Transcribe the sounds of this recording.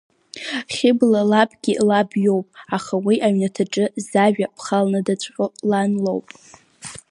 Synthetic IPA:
χʲɪblalabɡʲilabjo̞wpʼaχawiʔaɥnatʰaʈ͡ʂʼɨzaʒᶣapʰχalnɨdat͡ɕʷʼqʷʼʊlanlo̰wpʼ

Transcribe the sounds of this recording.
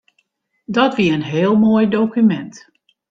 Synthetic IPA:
dɔtʋiəənɦɪːəlˠmoːjdowkymɛnt

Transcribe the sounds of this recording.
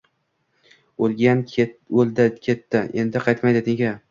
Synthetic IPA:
olˠɡʲanold̪akʲʰe̞t̪ːɪʔe̞nd̪ɪqʰɑjt̪majd̪ɪt̪ʰɪŋɡʲa

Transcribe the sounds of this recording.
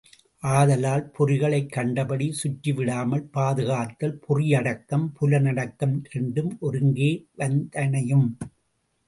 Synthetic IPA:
ʔaːðɐlaːlpʊrɪɣɐɭɐɪkːɐɳɖɐbɐɽisʊʈːiʋɪɽaːmɐlpaːðɯɣaːt̪ːɐlpʰʊrɪjɐɽɐkːɐmpʊlɐnɐɽɐkːɐmʔɛɳɖɯmʔɔɾɯŋɡeːʋɐnd̪ɐnɐjɯm

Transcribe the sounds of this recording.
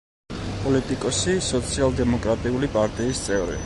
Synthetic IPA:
pʼɔlit̪ʼikʼɔsisɔt̪sʰialˠd̪ɛmɔkʼɾat̪ʼiulipʼaɾt̪ʼiːst̪sʼɛvɾɛ̰

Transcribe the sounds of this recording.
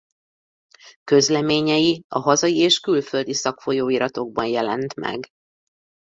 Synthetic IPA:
kø̞zlɛmeːɲɛjiɒɦɒzɒjieːʃkylfø̞ld̪isɒkfo̞joːiɾɒt̪o̞ɡ̚bɒnjɛlɛnt̪mɛ̰ɡ

